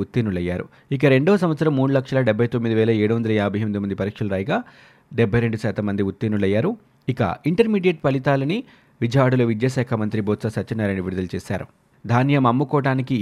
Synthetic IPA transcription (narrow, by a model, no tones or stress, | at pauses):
ut̪ːinuɭɐjːaːɾṵ | ik̬ɐɾe̞ɳɖoːsɐm̃ʋɐt̪sɐɾɐmːuːɽulɐkʂɐlɐɖɛbʱɐjt̪omːid̪iʋɛːlɐeːɽuʋɐnd̪ɐlɐjaːbʱɐjmid̪imɐnd̪ipɐɾiːkʂɐlɐɾaːjɡaː | ɖɛbʱːɐjɾe̞ɳɖusaːt̪ɐmːɐnd̪iut̪ːiːnulɐjːaːɾu | ikɐ̰iɳʈɐɾmiːɖijeʈ̚pɐɭit̪aːlɐni | ʋid͡ʒʱɐjaːɽuloʋid͡ʒ̪jɐʃaːkʰɐmɐnt̪ɾibɔːt̪sasɐt͡ʃɐnːɐɾɐɳɖiʋiɾud̪ɐlt͡ʃɛːsaːɾṵ | d̪ʱaːnjɐmɐmːukɔːʈaːniki